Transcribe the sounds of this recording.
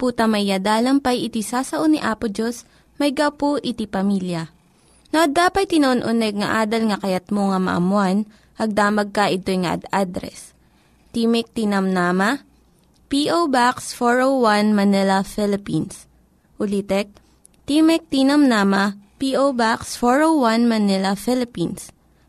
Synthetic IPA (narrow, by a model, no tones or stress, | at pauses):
puːt̪ɐmɐjːad̪aːlɐŋpɐjʔɪt̪isaːsɐʔoniʔaːpʊd͡ʒos | mɐjɡɐwpoʔɪt̪ipɐmiːljɐ | noʔɐd̪aːpɐt̪̚t̪ːɪnɐʔonʔʊnɛɡ̚ŋɐ̰ʔaːd̪ɐlŋɐkɐjɐt̪̚moŋɐmɐ̰ʔɐ̰mʊan | ʔɐɡ̚d̪aːmɐɡ̚kɐʔɪt̪ojŋɐʔɐ̰d̪ad̪ɾɛ̰s | t̪imɛk̚t̪inɐmnamɐ | piʔowbaksfoɹowwanmɐnɛlɐfɛlɪpins | ʔʊlit̪ɛk̚ | t̪imɛk̚t̪inɐmnaːmɐpiʔowbaksfoɹowwanmɐnɛlɐfɪlɪpins